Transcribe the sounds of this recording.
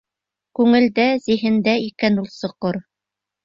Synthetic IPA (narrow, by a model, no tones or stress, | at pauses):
kʉŋɘ̆ld̪æziɦɘ̆nd̪æikænulˠsɤ̆qoɾ